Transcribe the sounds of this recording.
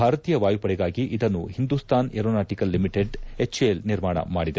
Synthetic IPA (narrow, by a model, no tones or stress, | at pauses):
bʱaːɾɐt̪iːjɐʋaːjupɐɽɛɡaːɡiʔid̪ɐnːuhind̪uːst̪ʰaːneɾonaːʈikɐlːimiʈeɖet͡ʃelniɾmaːɳɐ̰maːɽid̪e